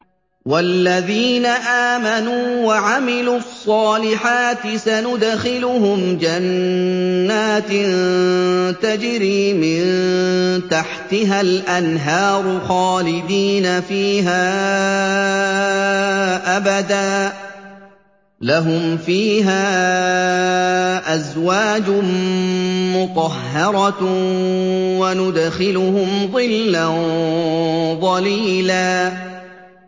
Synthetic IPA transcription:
walːaðiːnaʔaːmanuːwaʕamɪluːɑsˤːɑːlɪħaːt̪ɪsanʊd̪xɪlʊɦʊmd͡ʒanː | aːt̪ɪ | t̪ad͡ʒɾiːmɪn | t̪aħt̪ɪɦalʔanɦɑːɾˤʊxɑːlɪd̪iːnafiːɦaː | ʔabad̪aː | laɦʊmfiːɦaː | ʔazwaːd͡ʒʊ | mʊt̪ˤɑhːɑɾˤɑ | wanʊd̪xɪlʊhʊmðˤɨlːa | ðˤɑliːlaː

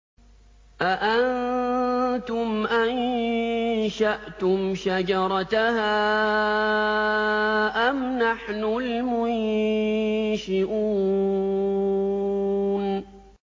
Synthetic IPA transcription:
ʔaʔan | t̪ʊmʔan | ʃaʔt̪ʊmʃad͡ʒɑɾˤɑt̪ahaː | ʔamnaħnʊlmʊn | ʃɪʔuː | n

